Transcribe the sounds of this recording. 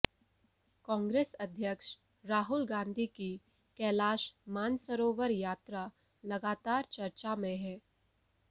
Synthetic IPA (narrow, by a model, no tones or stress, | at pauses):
kɔ̃ːŋɡɾeːsɐd̪ʱjəkʃ | ɾaːɦʊlɡãːnd̪ʱiki | kɛːlaːʃmaːnsəɾoːʋəɾjaːt̪ɾa | lɐɡaːt̪aːɾt͡ʃɐɾt͡ʃamẽɦɛː